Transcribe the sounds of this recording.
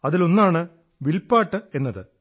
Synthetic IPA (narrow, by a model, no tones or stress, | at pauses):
ɐðilo̞nːaːɳɨ | ʋilpːaːʈːɨe̞nːɐðɨ̰